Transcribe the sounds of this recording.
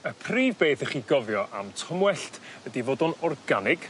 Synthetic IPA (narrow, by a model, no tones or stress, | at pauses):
əpʰriːvbeːθəχiːɡɔvjɔʔa̰mtʰɔmwɛɬtədivoːdɔnɔrɡanɪɡ̥